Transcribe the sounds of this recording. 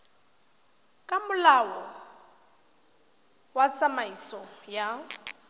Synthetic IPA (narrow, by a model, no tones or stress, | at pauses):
kʼamʊlawɔ | wat͡sʼamaisɔja